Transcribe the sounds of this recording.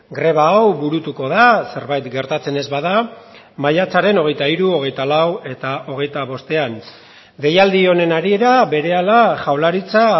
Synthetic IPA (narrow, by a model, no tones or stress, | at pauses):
ɡɾe̞β̞aːwbuɾut̪uko̞ð̞ase̞ɾβajt̪ɡe̞ɾt̪at͡se̞ne̞zβaða | majat͡saɾe̞no̞ɣ̞e̞jt̪aiɾuo̞ɣ̞e̞jt̪alawe̞t̪ao̞ɣ̞e̞jt̪aβ̞o̞st̪e̞an | d̪e̞jald̪io̞ne̞naɾie̞ɾaβe̞ɾe̞alaʝawlaɾit͡sa